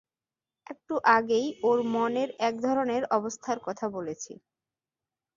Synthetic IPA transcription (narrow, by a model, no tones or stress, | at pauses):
ɛk̚ʈuʔaɡejoɾmɔneɾɛk̚d̪ʱɔɾoneɾɔbost̪ʰaɾkɔt̪ʰabolet͡ɕʰḭ